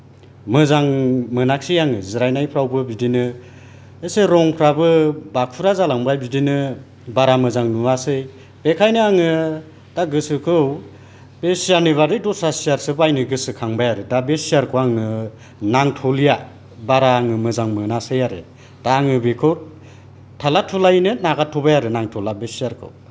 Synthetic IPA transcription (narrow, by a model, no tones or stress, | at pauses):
mɯzaŋmɯnak̚sijaŋɯziɾajnajpʰɾawbɯbidinɯ | eseɾɔŋpʰɾabɯbakʰuɾazalaŋbajbidinɯ | baɾamɯzaŋnuasɯj | b̥ekʰajnɯaŋɯ | d̥aɡɯsɯkʰɯw | b̥esijaniβaɾɯdɔsasijaɾsɯbajnɯɡɯsɯkʰaŋbajaɾɯdabesijaɾkʰɯwaŋnɯ | naŋtʰɔlija | baɾaːŋɯmɯzaŋmɯnasɯjaɾɯ̰ | d̥aːŋɯbekʰɯw | tʰalatʰɔlajnɯnaɡatʰɔbajaɾɯnaŋtʰɔlabesiaɾkʰɯ̰w